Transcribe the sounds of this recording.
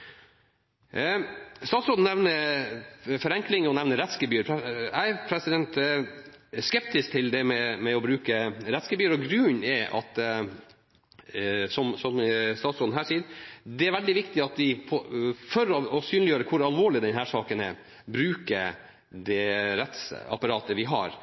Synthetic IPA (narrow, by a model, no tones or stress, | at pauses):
st̪ɑːt̪sɾoːd̪n̩ɛʋnə | fɔɾɛŋklɪŋɔnɛʋnəɾɛt̪skəbyːɾpʰɛæɪpʰɾɛsɪd̪ɛnt̪ | skɛp̚t̪ɪskt̪ʰɪld̪ɛmɛmɛɔbɾʉːkəɾɛt̪skəbyːəɾɔɡɾʉnɛʔɑ̰t̪ | sɔmsɔmst̪ɑːt̪sɾoːd̪n̩ɦæːʂiːəd̪ɛæɾʋɛld̪ɪʋɪkt̪ɪɑt̪d̪ɪpʰɔfœɾɔɔsyːnljøːɾəkʰʊɾɑlʋoːɭɪd̪ɛnɦæːʂɑːkənɛ | bɾʉːkəɾ | d̪ɛɾɛt̪sɑ̰pɑɾɑːt̪əʋɪɦɑ̰ɾ